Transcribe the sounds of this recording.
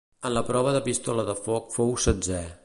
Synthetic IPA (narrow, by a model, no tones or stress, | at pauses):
ənləpɾɔβ̞əðəpist̪ɔləðəfɔk̚fowsəd͡zɛ